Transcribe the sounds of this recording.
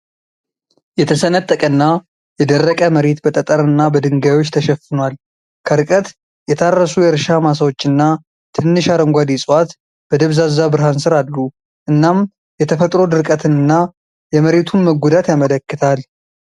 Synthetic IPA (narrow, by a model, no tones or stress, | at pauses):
jɛt̪ʰəsənət̪ʼːəkʼənːa | jɛd̪ərːəkʼəməɾe̞t̪bət̪ʼət̪ʼəɾɨnːabəd̪ɨŋɡawo̞t͡ʃːt̪ʰəʃɛfɨnwal | kʰəɾɨkʼət̪ | jɛt̪ʰarːəsujɛɾʃamas̬əwo̞t͡ʃːɨnːa | t̪ʰɨnːɨʃaɾəŋɡʷad̪isʼwat̪ | b̥əd̪əβzazabɨɾɦansɨɾad̪ːu | ʔɨnːam | jɛt̪ʰəfət̪ʼɾo̞d̪ɨɾkʼət̪ʰɨnɨnːa | jɛməɾe̞t̪ʰunməɡʷud̪at̪jamələkːɨt̪ʰal